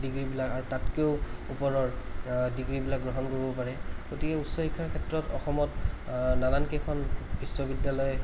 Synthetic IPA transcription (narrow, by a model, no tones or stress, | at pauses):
diɡɹibilakaɹutatkeʊupɔɹɔɹdiɡɹibilak̚ɡɹɔɦɔnkoɹibɔpaɹɛɡ̥otikɛusɔhikʰːaɹkʰɛtɹɔtɔxɔmɔtnalankekʰɔnbiswɔbidjalɔj